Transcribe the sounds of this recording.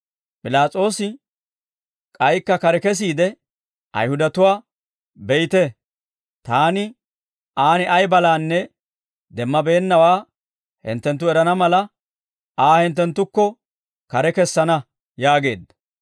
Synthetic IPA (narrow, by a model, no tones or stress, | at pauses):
pʼɪlaːt͡sʼo̞ːsɪ | kʼɐjkːɐkɐɾɛkɛs̬iːd̪ɛ | ʔɐ̰jhʊd̪ɐt̪ʊwaː | bɛjɪt̪ɛ | t̪aːnɪ | ʔaːnɪʔɐjbɐlaːnːɛ | d̪ɛmːɐbe̞ːnːɐwaː | hɪ̰nt̪ːɛnt̪ːʊɛɾɐnɐmɐlɐ | aːhɪnt̪ːɛnt̪ːʊkːɔ | kɐɾɛkɛsːɐnɐ | jaːɡe̞ːd̪ɐ̥